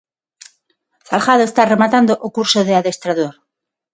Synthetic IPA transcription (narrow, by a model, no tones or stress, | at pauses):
salxað̞oest̪are̞mat̪and̪oʔokuɾsoð̞eaðe̞st̪ɾaðoɾ